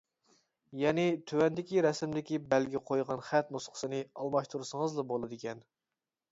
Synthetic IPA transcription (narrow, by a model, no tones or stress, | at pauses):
jɛnɪt̪ʰøwɛnd̪ɪkʲiɾɛsɪmd̪ɪkʲibɛlɡʲiqʰojʁɑnχæt̪nusqʰə̥sɨnɨɑlˠmɑʃt̪uɾsəŋəzlˠɑbolˠɨd̪ɪkʲɛn